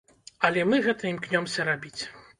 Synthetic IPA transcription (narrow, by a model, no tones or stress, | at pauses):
ɐlʲɛmɨɣɛt̪ɐimknʲɔmsʲɐɾabʲit͡sʲ